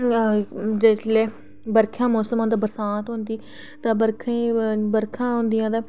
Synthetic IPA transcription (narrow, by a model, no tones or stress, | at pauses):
d͡ʒesleː | bəɾkʰãːmoːsəmãːd̪aːbəɾsaːt̪ɦʊ̃nd̪iː | t̪ãːbəɾkʰãiːbəɾkʰãːɦʊ̃nd̪ɪjãːd̪aː